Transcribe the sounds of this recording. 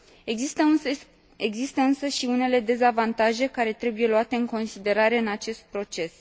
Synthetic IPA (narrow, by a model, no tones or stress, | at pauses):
eɡzist̪əɨnsəʃiune̞le̞d̪e̞zavant̪aʒe̞kaɾe̞t̪ɾe̞buje̞luat̪e̞ɨŋko̞nsid̪e̞ɾaɾe̞ɨnat͡ʃe̞st̪̚pɾo̞t͡ʃe̞s